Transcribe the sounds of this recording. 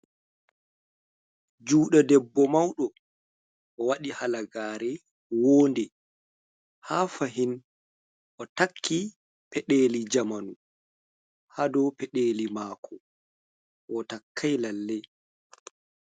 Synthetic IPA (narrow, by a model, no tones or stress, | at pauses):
d͡ʒuːɗadɛbːɔmawɗɔ | ʔɔwaɗihalaɡaːɾɛ | woːndɛ | hafaɦin | ʔɔtakʰːi | pɛɗeːlid͡ʒamanu | hadɔpɛɗeːlimaːkʰɔ | ʔɔtakʰːajlalːɛ